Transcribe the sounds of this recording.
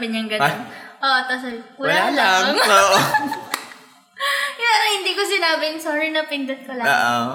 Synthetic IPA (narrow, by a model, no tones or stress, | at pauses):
bɪɲɐŋɡɐnonʔoːʔt̪ɐs̬ɐjwɐllaːlaŋoʔ | janɐhɪnd̪iːkosɪnaːbɪŋsoːɾɪnɐpɪnd̪ɐt̪̚kɐlaoʔ